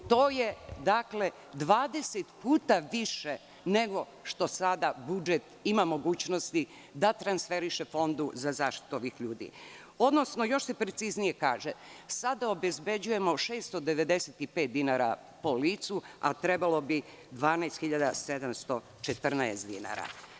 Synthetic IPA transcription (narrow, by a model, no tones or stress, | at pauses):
t̪o̞ːje̞d̪akle | d̪ʋaːd̪eset̪puːt̪aʋiʃe | ne̞ɡo̞ | ʃt̪o̞sad̪abud͡ʒet̪imamo̞ɡuːt͡ɕno̞st̪i | d̪at̪ɾansfe̞ɾiʃefo̞nd̪uzazaːʃt̪i̥t̪uo̞ʋixʎuːd̪ḭ | o̞d̪no̞snojo̞ʃsepɾet̪siznije̞kaːʒesad̪aobe̞zbe̞d͡ʑuje̞mo̞ʃeːst̪od̪e̞ʋe̞d̪e̞set̪ipet̪̚d̪inaɾa̰ | po̞liːt̪sua̰t̪ɾe̞balo̞bi | d̪ʋaːnaest̪xiʎad̪ase̞d̪amst̪o̞ | t͡ʃet̪r̩naesd̪ḭna̰ːɾa̰